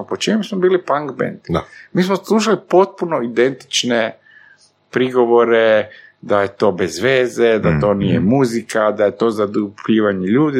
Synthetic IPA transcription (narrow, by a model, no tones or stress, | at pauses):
pot͡ʃemusmobiːlipaŋɡbḛnd̪̥d̪amiːsmoslˠuʃ̬alipo̞t̪̚puno̞id̪ent̪i̥t͡ʃne | pɾiɡo̞ʋo̞ɾe̞d̪aje̞t̪o̞ːbezʋeːze̞d̪at̪o̞ːnijemuzikad̪aje̞t̪o̞ːzad̪upʎiːʋaɲeʎuːd̪i